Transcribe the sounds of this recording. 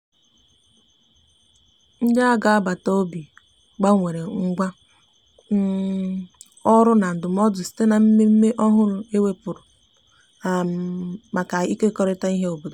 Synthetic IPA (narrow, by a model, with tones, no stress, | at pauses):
n̩˦d͡ʒa˦a˦ɡa˨a˦ba˨to˦bi˨ | ɡ͡ba˦ŋʷe˨ɾe˨ŋ̩˦ɡʷa˦ | ɔ˦ɾʊ˦na˨n̩˨dʊ˨m˦ɔ˦dʊ˨si̥˦te˦na˨m̩˦me˦m̩˦me˦ʔɔ˦ɦʊ˦ɾʊ˨e˦we˦pʊ˨ɾʊ˨ | a˨m˨ma˨ka˨i˦ke˦kɔ˦ɾɪ˦ta˦i˦ɦe˦o˨bo˨do˨